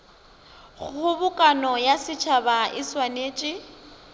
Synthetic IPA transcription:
ɣʊbʊkʼanɔjasɪt͡ʃʰabaʔɪswaneːt͡ʃʼɪ

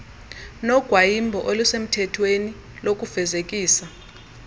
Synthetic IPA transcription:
nɔɡ̥ʱwajimbʱɔʔolusem̩tʰɛtʰweni | lok̬ʼuv̥ɛzekʼiːsa

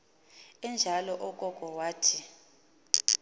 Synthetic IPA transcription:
ɛnd͡ʒʱalɔʔɔkʼɔkʼɔwaːtʰi

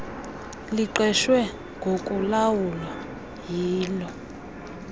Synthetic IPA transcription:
liǃɛʃwɛ | ŋɡʱokʼulawula | jiːlɔ

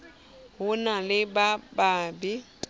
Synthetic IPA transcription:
ɦunalɪbabaːbi

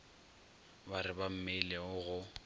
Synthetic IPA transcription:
baɾɪbam̩melɛʊɣʊ

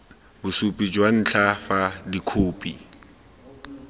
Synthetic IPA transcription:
bʊsupʼid͡ʒwan̩ːt͡ɬʰafadikʰoːpʼi

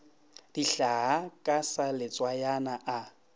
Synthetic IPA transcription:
d̥iɬaɦakʼasalɪt͡sʼwajanaʔa

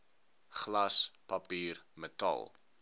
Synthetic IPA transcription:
χlɐspɐpiːrmətɐ̰lˠ

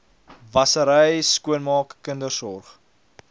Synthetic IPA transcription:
vɐsəɾəjskuənmɑːkːəndərsɔrχ

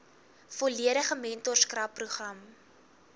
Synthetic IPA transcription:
foliəɾəχəmɛntɔrskrɐpːruχrɐm

